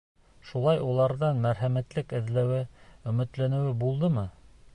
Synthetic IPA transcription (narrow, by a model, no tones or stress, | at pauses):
ʃulˠɑjulˠɑɾðɑnmæɾɦæmæt̪lɘkɘ̆ðlæwɘɵ̆mɘ̆t̪lænɘ̆wɘbulˠd̪ɤmɤ